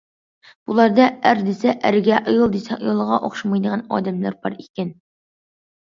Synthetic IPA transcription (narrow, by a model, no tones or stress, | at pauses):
b̥ulˠɑɾd̪ɑæɾd̪ɪsɛʔæɾɡʲɛʔojɨlˠd̪esɛkjɑlˠʁɑʔoχʃɑmɑjd̪əʁɑnɑ̰ːd̪ɛmlæ̰ɾbɑ̰ɾikʲɛn